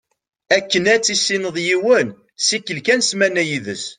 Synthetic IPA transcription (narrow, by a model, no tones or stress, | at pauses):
ækːənæt͡sːisːinəðˤjiwən | sikːəlkænsmænæjiðəs